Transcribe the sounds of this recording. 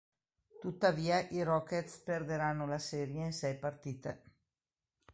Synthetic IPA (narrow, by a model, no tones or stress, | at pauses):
t̪ut̪ːaviːaʔiɾɔkːet̪sperd̪eɾanːolasɛːɾjeinsɛjpart̪iːt̪ḛ